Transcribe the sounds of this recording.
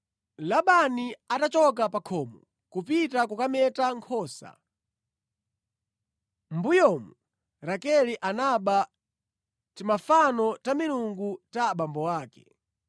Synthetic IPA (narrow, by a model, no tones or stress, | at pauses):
laɓaniatat͡ʃɔk̬apakʰɔːmɔ | kupitakukamɛtaŋkʰɔːsa̰ | mbujɔːmu | ɾakɛliʔanaɓa | timafanɔtamiluŋɡutaɓambɔwaːkɛ̰